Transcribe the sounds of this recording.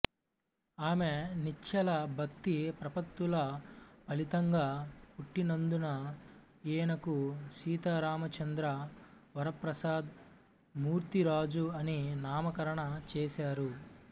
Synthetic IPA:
aːmenit͡ʃʰːɐlɐbʱɐkt̪ipɾɐpɐt̪wulɐpɐlit̪ɐŋɡaːpuʈːinɐnd̪unɐ | eːnɐkuʃiːt̪aːɾaːmɐt͡ʃɐnd̪ɾɐʋɐɾɐpɾɐsaːd̪ | muːɾt̪iɾaːd͡ʒuɐninaːmɐkɐɾɐɳɐt͡ʃeːsaːɾu

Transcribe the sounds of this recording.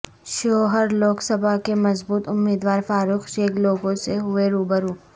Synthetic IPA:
ʃoːɦəɾloːksɐbʱakemɐzbuːt̪ʊmːiːd̪waːɾfaːɾuːxʃeːɡloːɡõseɦʊeɾuːbəɾuː

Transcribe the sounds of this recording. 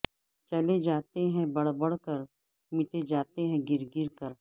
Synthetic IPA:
t͡ʃɐled͡ʒaːt̪eɦɛ̃bɐɽbɐɽ̤kəɾ | mɪʈed͡ʒaːt̪eɦɛ̃ɡɪɾɡɪɾkəɾ

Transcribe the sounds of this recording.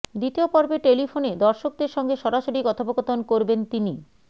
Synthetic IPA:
d̪it̪iopɔɾbeʈelifʰoned̪ɔɾʃok̚d̪eɾʃɔŋɡeʃɔɾaʃoɾikɔt̪ʰabokot̪onkoɾbent̪ini

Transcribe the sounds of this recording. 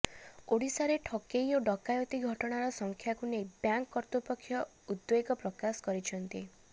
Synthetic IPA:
oɽisaɾeʈʰɔkejoɖɔkajɔt̪iɡʱɔʈɔɽ̃aɾɔsɔŋkʰjakunebjaŋkːɔɾt̪upɔkʰːjɔ | ud̪beɡɔpɾɔkasɔ̥kɔɾit͡ʃʰɔnt̪i

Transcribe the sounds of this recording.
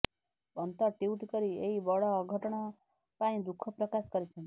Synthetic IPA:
ənt̪ɔɾʈiuʈkəɾieibɔɭɔːɡʱəʈɳ̃ɔ | paĩd̪ukʰːɔpɾəkaskəɾet͡ʃʰen

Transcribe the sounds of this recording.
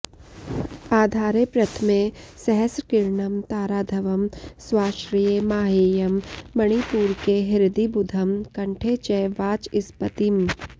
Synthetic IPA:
aːd̪ʱaːɾepɾɐt̪ʰmesɛɦəskɪɾɳɐmt̪aːɾaːd̪ʱɐʋɐmswaːʃɾijemaːɦeːjɐmːɐɽ̃ipuːɾkeɦɪɾd̪ibʊd̪ʱɐmkɐ̃ɳʈʰeːt͡ʃɛːʋaːt͡ʃɪspət̪im

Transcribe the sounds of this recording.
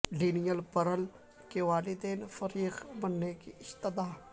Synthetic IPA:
liːnijəlpɐɾəl | keʋaːlɪd̪eːnfɐɾiːqbənːekiɪst̪əd̪aː

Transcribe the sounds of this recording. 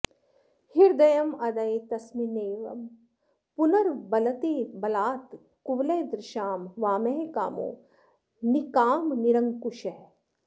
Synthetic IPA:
hiɾd̪ɐjɐmɐd̪ɐjt̪ɐsmineːʋɐ̰m | punɐɾbɐlɐt̪iːbɐlaːt̪ | kuʋlɐjd̪ɾɪʃaːmʋaːmeɦka̰ːmo̰ː | nikaːmniɾɐŋkuʃɐɦ

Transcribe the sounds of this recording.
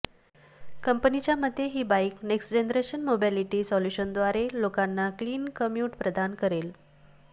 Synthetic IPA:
kəmpənit͡ɕjaməd̪ʱːjeɦiːbaikneksd͡ʑenəɾeɕənmobiliʈiːsɔljuɕənd̪ʋaɾelokanːakliːnkəmjuʈpɾəd̪ʱankəɾel

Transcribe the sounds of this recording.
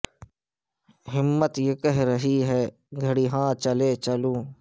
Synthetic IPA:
ɦɪmːət̪jekəɦɾəɦiːɦɛː | ɡʱəɽiːɦãːt͡ʃəleːt͡ʃəlũː

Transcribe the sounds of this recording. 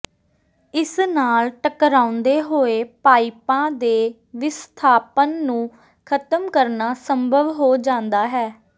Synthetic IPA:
ɪsnaːlʈəkɾãːʊ̃nd̪eːɦoːeːpaːipãːd̪eː | ʋɪst̪ʰaːpənːũː | kʰət̪əmkəɾnaːsəmbʱəʋɦoːd͡ʒãːnd̪aːɦɛː

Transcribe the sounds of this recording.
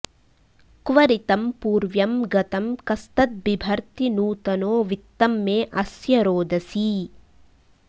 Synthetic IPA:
kʋɐɾit̪ɐmpuːɾʋjɐmɡɐt̪ɐmkɐst̪ɐt̪̚bibʱɐɾt̪inuːt̪ɐnoːʋit̪ːɐmːeːʔɐsjɐɾoːd̪ɐsi

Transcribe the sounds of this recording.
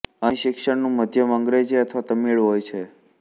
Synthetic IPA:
əĩʃɪkʃəɳnũməd̪ʱjəməŋɡɾed͡ʒeət̪ʰʋat̪əmiɭɦojt͡ʃʰe

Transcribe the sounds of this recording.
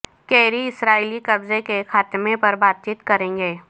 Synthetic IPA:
keːɾiɪsɾaːilikɐbzekexaːt̪mepɐɾbaːt̪̚t͡ʃiːt̪kɐɾẽːŋɡeː

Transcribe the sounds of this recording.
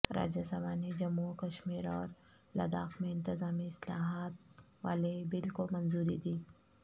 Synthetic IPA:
ɾa̰ːd͡ʒasɐbaːned͡ʒɐmːukɐʃmiːɾɔːɾ | lɐ̰d̪aːxmẽɪ̃nt̪ɪzaːmiɪslaːɦaːt̪̚ | ʋaːlebɪlkomɐnzuːɾid̪iː

